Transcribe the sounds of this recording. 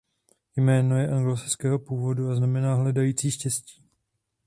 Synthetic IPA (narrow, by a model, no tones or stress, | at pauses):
jmɛːno̞jɛʔaŋɡlosɪt͡skɛːɦo̞puːvo̞duaznamɛnaːɦlɛdajiːt͡siːʃcɛsci̥ː